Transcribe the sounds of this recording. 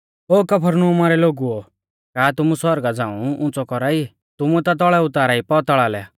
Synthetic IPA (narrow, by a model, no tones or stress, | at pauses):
oːkɐpʰəɾnumaːɾɛloːɡuo | kaːt̪ʊmusɔɾɡad͡zãːũʊ̃t͡sɔkɔɾai | t̪ʊmũt̪at̪̬ɔɭɛʊt̪aːɾaipɔt̪ɔɭalɛ